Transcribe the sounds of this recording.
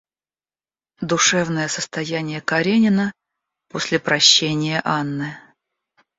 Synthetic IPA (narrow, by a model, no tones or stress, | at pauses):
d̪ʊʂɛvnəjəsəst̪ɐjænʲɪjəkɐɾʲenʲɪnə | posʲlʲɪpɾɐɕːenʲɪjəʔanːɨ